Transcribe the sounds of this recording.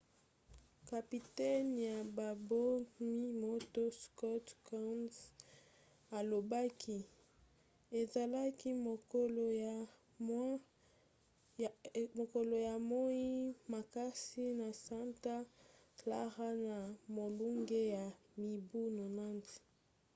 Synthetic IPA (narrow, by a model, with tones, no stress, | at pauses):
ka˨pi˨tɛ˦nja˨ba˨bo˦mi˦mo˦to˦skɔ˦tka˦ns | a˨lo˨ba˦kʰi˦ | e˨za˨la˦ki˦mo˨ko˦lo˨ja˨ | m˦ | mo˨ko˨lo˨ja˨mo˦i˦ma˨ka˦si˦na˨sa˦nta˦ | la̰˦ʁa˦na˨mo˨lu˦ŋɡe˦ja˨mi˨bu˦no˨na˦nsi̥˨